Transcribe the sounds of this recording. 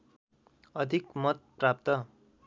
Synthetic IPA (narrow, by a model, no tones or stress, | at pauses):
ʌd̪ʱikmʌt̪̚prap̚t̪ʌ